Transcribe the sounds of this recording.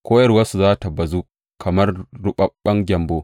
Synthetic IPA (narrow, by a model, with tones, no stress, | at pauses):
kʷoː˦jɐ˦rwɐ˦su˨zaː˦ta˨bɐ˨zu˦ | kʰɐ˨mɐ˦rɽʊ˦ɓɐ˨ɓɐ˦ŋɡʲɐ˨mboː˦